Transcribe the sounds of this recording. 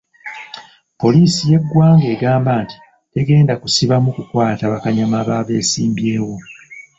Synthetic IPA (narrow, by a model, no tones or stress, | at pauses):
po̞liːsije̞ɡːwaːŋɡe̞ːɡaːmbaːnti̥ | te̞ɡe̞ːndakusiβamukukwaːtaβakaɲamaβaːβe̞ːsiːmbje̞ːwo̞